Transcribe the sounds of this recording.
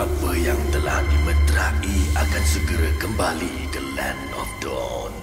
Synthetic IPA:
apəjaŋt̪əla̰hdimət̪ɾaʔiakansəɡəɾakəmbali | dəlɛn | ɔfdɔ̰ | n

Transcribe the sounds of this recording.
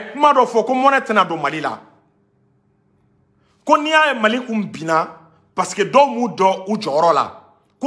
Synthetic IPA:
kũmadɔfɔkomɔnɛtɛnadomalila̰ | konijajemalikũbina | pasi̥kedɔmũdɔud͡ʒɔjɔɾɔla̰ | k

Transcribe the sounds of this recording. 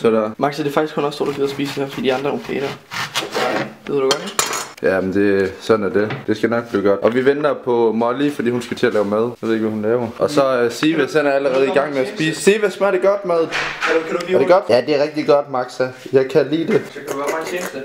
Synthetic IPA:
sɒdæmɑ̈ɡ̥sæd̥e̝fɑ̈ɡ̥isɡʰkhunɒsd̥o̝ɐdɒɡiðˠɐsb̥iːsə̥d̥ehæɐfɒd̥ḭːdiɑ̈nd̥ɐompʰḛːd̥ɐ | eððˠd̥uɡ̥ɒd̥jænd̥e̝sɒ̽dnæɐd̥e̝d̥e̝sɡ̥ænɒ̽ɡ̥̚b̥liːɡ̥ɒ̽d̥ʔɒ̽ʋiʋend̥ɐpʰɒ̽mɒlifɒ̽d̥ḭːhunsɡ̥æt͡sʰe̝ælɛːʊmæð̞ˠʋeð̰̩ˠeɡ̥ʋæhunlɛːʊɐʔɒ̽sɒ̽siːʋesenæɐæləʁɛːð̞̩ˠiɡ̥ɑ̈ŋ̰meæsb̥ḭːssiʋæsmæɾ̥e̝ɡ̥ɒd̥mæð̞ˠ | ɐd̥e̝ɡ̥ɒd̥jæd̥e̝æʁɛɡ̥̚d̥iɡ̥ɒ̽d̥mɑ̈ɡ̥sæjɑ̈ɪkʰælḭːd̥e̝

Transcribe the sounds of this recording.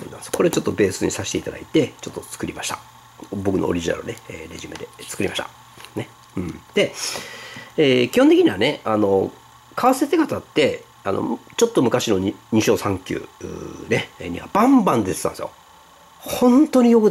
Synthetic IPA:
onãsoko̞ɾet͡ɕot̪ːo̞be̞ːsɨɲ̟isaɕi̥t̪e̞it̪ad̪a̰it̪e̞t͡ɕo̞t̪ːot͡sɨ̥kɯ̟ɾʲimaɕi̥t̪ḁ | bo̞kɯ̟no̰ɾʲiʑina̰ɾɯneeːɾe̞ʑimed̪e̞t͡sɨ̥kɯ̟ɾʲimaɕʲit̪ḁ̰ | ne | ɯ̃ɴd̪̥e̞ | eːkʲihõnt̪ekiɲ̟iβane̞ano̞ | kaβaset̪ekat̪at̪ːe̞ | ano̞̰t͡ɕo̞t̪ːo̞mɯ̟kaɕino̞ɲiɲ̟iɕo̞ːsãŋkʲɨ̰ːɯ̰ne̞ɲ̟iβa̰b̥ãmbãnd̪est̪ãsɨjo̰ | hõ̞nt̪o̞ɲ̟ijokɯ̟

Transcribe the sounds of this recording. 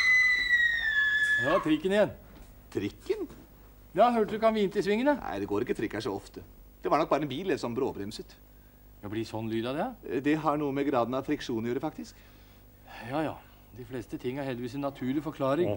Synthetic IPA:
jɑːt̪ʰɾɪkːənɪjɛn | t̪ʰɾɪkːən | jɑːhøːʈd̪ʉkɑnʋiːnt̪ɪsʋɪŋːənənʔæ̰ɪd̪ɛɡoːɾɪkːət̪ʰɾɪkːæʂɔɔft̪ə | d̪̥ɛʋɑɾɳɔk̚bɑːɾəɛnbiːlɛsɔmbɾoːbɾɛmsʉt̪ː | jblɪsɔnlyːd̪ɑd̪ɛd̪ɛɦɑɳuːəmɛɡɾɑːd̪n̩ɑʋfɾɪkʂuːnnjuːɾəfɑkt̪ɪsk | jɑːjɑ̰ː | d̪ɪflɛːst̪ət̪ʰɪŋːəhæɾhɛld̪əʋiːsɛnːɑt̪ʰʉːɭɪfɔɾkʰlɑːɾɪŋ

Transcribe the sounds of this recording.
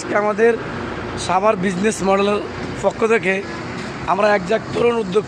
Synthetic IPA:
keamad̪eɾ | ʃabʱaɾbid͡ʑnesmɔɖeleɾ | pɔkʰːot̪ʰek̬e | amɾaɛk̚d͡ʒak̚t̪oɾonud̪ːok̚

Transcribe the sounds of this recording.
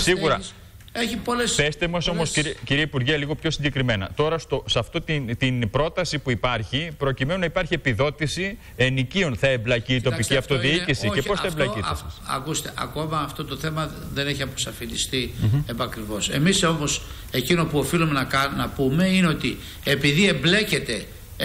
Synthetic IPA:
siɣuɾɐ | eçipolespest̪emɐso̞mo̞siciɾiɐipuɾʝeliɣo̞pço̞siɲɟe̞kɾime̞nɐ̰t̪o̞ɾɐst̪o̞sɐft̪o̞t̪int̪inpɾo̞t̪ɐsipuipɐɾçipɾo̞cime̞nunɐipɐɾçie̞piðo̞t̪isi | e̞nicio̞nθɐe̞mblɐciːt̪o̞piciɐft̪o̞ðiicisice̞posθɐemblɐiɐ̰kust̪e̞ʔɐ̰ko̞mɐːft̪o̞t̪o̞θe̞mɐ | ðe̞neçiɐpo̥sɐfind̪ist̪iepɐkɾivo̞se̞̰miso̞mo̞s | e̞cinopuofilumenɐknɐpume̞ineo̞t̪i | epiðiemble̞ce̞t̪e̞

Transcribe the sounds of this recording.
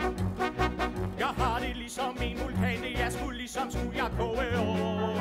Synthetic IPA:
jɑ̈ɪɦɑ̈d̥e̝lisɒ̽mːinʋulkʰɛ̰nd̥əjɑɪsɡ̥ulisɒ̽msujɑɪkʰɔːəɔ

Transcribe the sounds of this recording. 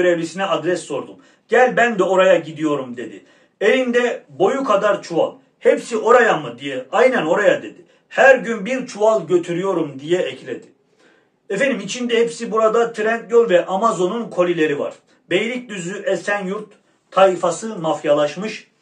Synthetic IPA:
øɾevlʲisinɛad̪ɾɛsːo̞ɾd̪um | ɟ̥ælʲbænd̪ɛo̞ɾajaɟid̪ijo̞ɾumd̪e̞d̪ḭ | elʲind̪ɛbo̞jukʰad̪aɾt͡ʃʰua̰lˠ | hɛpsio̞ɾajamɯd̪ijɛajnɛno̞ɾajad̪e̞d̪i | hæɾɟynbiɾt͡ʃʰualˠɟø̞t̪ʰyɾyjo̞ɾumd̪ijɛɛclʲed̪i̥ | ɛfed̪imit͡ʃʰind̪ɛhɛpsibuɾad̪at̪ʰiɾɛnt̪jo̞lˠvɛʔamazo̞nunkʰo̞lʲilʲe̞ɾiva̰ɾ̥ | bejlʲic̚d̪yzyʔɛsænjuɾt̪ʰː | ajifasɯmafjalˠaʃmɯʃ

